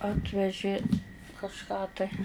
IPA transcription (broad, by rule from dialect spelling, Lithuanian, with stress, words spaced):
ˈɑːtʲʋʲɛʒʲeː kɐʃˈkɑː tɐɪ